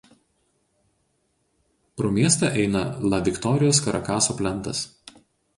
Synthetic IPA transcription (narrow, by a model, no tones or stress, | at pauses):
pɾoːmʲiɛsʲt̪ʲɐʔɛɪnɐlˠɐʋʲɪkt̪ɔɾʲɪjoːskɐɾɐkɑːsoːpʲlʲɛnˑt̪ɐ̰s